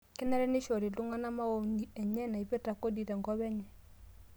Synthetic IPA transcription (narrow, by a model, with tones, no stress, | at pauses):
kɪ˦nɛ˦ɾɛ˦nɪ˦ʃɔ˨ɾi˨lu˦ŋa˦na˦ma˦wo˦ni˨ɛ˨ɲɛ˦na˨i˦pe˦ta˨ko˦di˨tɛ˨ŋɡɔ˦βɛ˦ɲɛ˨